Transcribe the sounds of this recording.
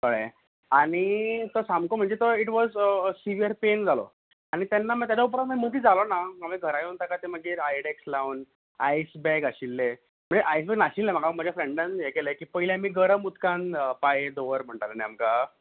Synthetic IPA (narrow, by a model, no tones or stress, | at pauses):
kəɭḛ | aɽ̃it̪osamkom̤əɳd͡zet̪oiʈʋɔd͡zsiʋiəɾpend͡zalo̰ | añit̪anːamət̪jad͡zaup̬ɾat̪m̤əmət̪iːd͡zʱalonaɡamiɡʱəɾajunt̪akat̪eməɡiːɾajɽekslawn | ajsbɛɡaɕilːe | m̤ə̃ɳd͡zeʔajsbɛɡnaɕilːem̤aɡam̤ad͡ʑʱjafɾeɳɖãnjekelekiːpəɦiljamiːɡəɾəmut̪kãnpajed̪oʋəɾm̤əɳʈalənɛamka